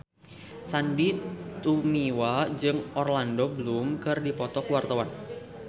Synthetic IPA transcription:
sandit̪umiwad͡ʒɨŋɔrlandobəlumkɨrdipɔt̪ɔkəwart̪awan

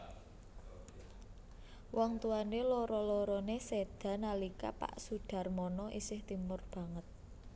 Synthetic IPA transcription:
wʔɔŋt̪uanelɔɾɔlɔɾɔnesed̪̥ä̤nalika̰pa̰ʔsuɖ̥ä̤rmɔnɔʔḭsɪht̪imʊrb̥a̤ŋət̪̚

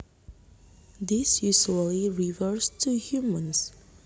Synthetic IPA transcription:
d̪isjuʒəliɹivəɾstʰuhjumə̃ns

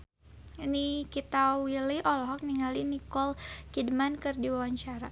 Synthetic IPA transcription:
inikit̪awiliʔɔlɔɦɔk̚niŋalinikɔlkidmankɨrdiwawaɲt͡ʃaɾa

